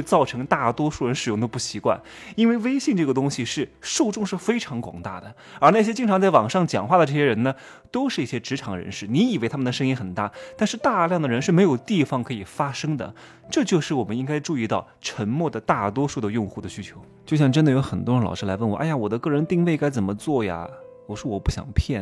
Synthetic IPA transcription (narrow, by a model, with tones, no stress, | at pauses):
e˥˧ɪt͡sɑ˥˩ʊʈ͡ʂʰɤ˧˥ŋt̪a˥˩t̪wɔ˥ʂu˥˩ɻə˧˥nʂɻ̩˨˩jʊ˥˩ŋt̪o˥ʊpu˥˩ɕi˧˥kwa̰˥˩n | i˥nwe˥˧ɪwe˥ɪɕi˥˧nʈ͡ʂɤ˥˩ɡə˩t̪ʊ˥ŋɕi˨˧ʂɻ̩˥˩ʂu˥˧ʈ͡ʂʊ˥˧ŋʂɻ̩˥˩fe˥ɪʈ͡ʂʰɑ˧˥ŋkwɑ̰˨˩ŋt̪a̰˥˩d̪ə˩ | ə˞˧˥na˥˩ɕjɛ˥t͡ɕi˥ŋʰɑ˧˥ŋt͡sa˥˩ɪwɑ˨˩ŋʂɑ˥˩ŋt͡ɕjɑ̰˨˩ŋxwa˥˩d̪ə˩ʈ͡ʂɤ˥˩ɕjɛ˥ɻə˧˥nə˨ | t̪o˥ʊʂɻ̩˥˧i˥˩ɕjɛ˥ʈ͡ʂɻ̩˧˥ʈ͡ʂʰɑ˨˩˥ŋə˧ɻə̰˧˥nʂɻ̩˥˩ni˧˥i˨˩we˥ɪt̪ʰa˥mə˨nd̪ə˩ʂ̬ɤ˥ŋi˥nxə˨˩nt̪a̰˥˩t̪a˥˧nʂɻ̩˥˧t̪a˥˧ljɑ˥˩ŋd̪ə˩ɻə˧˥nʂɻ̩˥˩me˧˥ɪjo˨˩ʊt̪i˥˩fɑ˨˩ŋkʰɤ˧˥i˨˩fa˥ʂɤ˥ŋd̪ə̰˨ | ʈ͡ʂɤ˥˧t͡ɕjo˥˧ʊʂɻ̩˥˩wɔ˨˩mə˦ni˥ŋka˥ɪʈ͡ʂu˥˧i˥˧t̪ɑ˥˩ʊʈ͡ʂʰə˧˥ŋmwɔ˥˩d̪ə˩t̪a˥˩t̪wɔ˥ʂu˥˩d̪ə˧jʊ˥˧ŋxu˥˩d̪ə˩ɕy˥t͡ɕʰjo˧˥ʊt͡ɕjo˥˧ʊɕjɑ˥˧ŋʈ͡ʂə˥nd̪ə˨jo˧˥ʊxə˨˩nt̪wɔ˥ɻŋlɑ̰˨˩ʊʂɻ̩˥˩la˧˥ɪwə˥˩nwɔ˧˦ʔa˥˩ja˩wɔ˨˩d̪ə˦kɤ˥˩ɻə˧˥nt̪i˥˧ŋwe˥˩ɪka˥ɪt͡sə˨˩mə˦t͡swɔ˥˩ja̰˩wɔ˨˩ʂɻ̩˥˩wɔ˨˩pu˥˩ɕjɑ̰˨˩ŋpʰjɛ˥˩n